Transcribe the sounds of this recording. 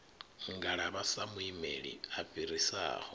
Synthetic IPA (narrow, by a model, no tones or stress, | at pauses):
ŋɡaɺaβasamuimeɺḭaɸiɾisa̰ːhɔ